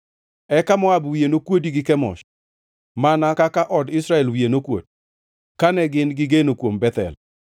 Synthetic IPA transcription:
ɛkamɔabwienokwodiɡɪkɛmɔ̰ʃ | manakakaʔɔdɪsɾaɛlwienokwo̰d̚ | kanɛɡɪnɡɪɡenokwombɛt̪ɛ̰l

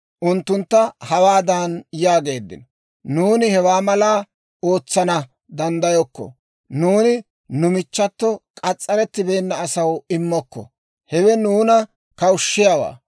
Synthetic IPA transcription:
ʔʊnt̪ːʊnt̪ːɐhɐwaːd̪anjaːɡe̞ːd̪ːɪ̰nɔ | nuːnɪhɛwaːmɐlaː | o̞ːt͡sːɐnɐ | d̪ɐnd̪ɐjɔkːɔ̰ | nuːnɪ | nʊmɪt͡ʃːɐt̪ːɔkʼɐt͡sʼːɐɾɛt̪ːɪbe̞ːnːɐːsɐwɪmːɔkːɔ̰ | hɛwɛnuːnɐ | kɐʊʃːɪjawa̰ː

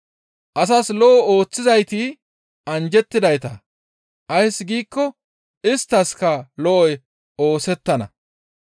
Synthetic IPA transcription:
ʔɐs̬ɐslɔʔɔo̞ːt͡sːɪzɐjt̪i | ɐnd͡ʒɛt̪ːɪd̪ɐjt̪ɐ | ʔɐjsːɡiːkːɔ | ɪst̪ːɐskɐlɔʔɔj | o̞ːsɛt̪ːɐnɐ̰

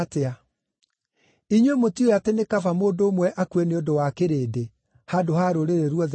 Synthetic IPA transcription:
tea | iɲwemotiojatenekafamoːdoːmwɛʔakwɛneodowakeɾeːde | hadohaɾoɾeɾeɾwɔð

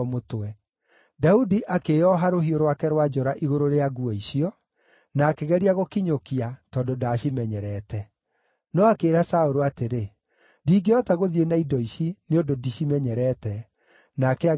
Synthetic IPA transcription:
motwɛ | daudiʔakejɔɦaɾoɦioɾowakɛɾwad͡ʒɔɾaʔiɣoɾoɾeaɣuɔiɕiɔ | naːkeɣɛɾiaɣokiɲokiatɔːndodaɕimɛɲɛɾɛːtɛ | nɔakeːɾasaoɾoateɾe | diːɡeɔtaɣoðienaidɔiɕineondodiɕimɛɲɛɾɛtɛ | nakɛa

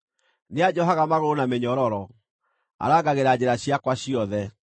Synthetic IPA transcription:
nead͡ʑɔɦaɣamaɣoonameɲɔɾɔɾɔ | a̰ɾaɣaɣeɾad͡ʑeɾaɕiakwaɕiɔðɛ

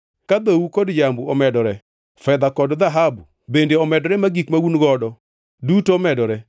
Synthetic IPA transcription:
kad̪owukodd͡ʒambuɔmɛdɔɾɛ | fɛd̪akɔdd̪aɦabu | bendeɔmɛdɔɾɛmaɡikmawunɡɔdɔ | dutoːmɛdɔɾɛ

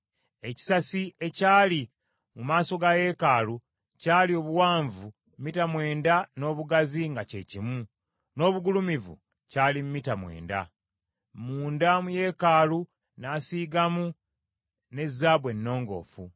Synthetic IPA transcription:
e̞ci̥sasie̞caːli | mumaːso̞ɡaje̞ːkaːlu | caːlio̞ːβuwaːɱvu | mmitamwe̞ːndano̞ːβuɡaziŋɡace̞cimu | no̞ːβuɡulumivṵ | caːlimumitamwe̞̰ːnda̰ | muːndamuje̞ːkaːlu | naːsiːɡamu | ne̞zːaːβwe̞nːo̞ːŋɡo̞̰ːfu

